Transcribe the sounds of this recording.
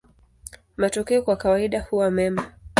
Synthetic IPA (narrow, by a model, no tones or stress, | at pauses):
matɔkɛɔkwakawaiɗahuwamɛma